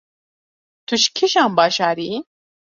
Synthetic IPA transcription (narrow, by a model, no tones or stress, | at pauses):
t̪ʰuʃkʰiʃaːmbɑːʃaːɾi